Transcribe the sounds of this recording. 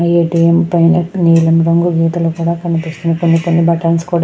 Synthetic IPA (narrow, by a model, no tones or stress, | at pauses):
eːʈiːempɐjnɐniːlɐmɾɐŋɡuɡʱiːt̪ɐlokuːɽaːkɐnipist̪unɐkonːikonːibɐʈɐːnskuːɽ